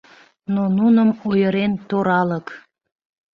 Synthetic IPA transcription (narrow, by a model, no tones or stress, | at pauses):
nonunəmojəɾent̪oɾɑlək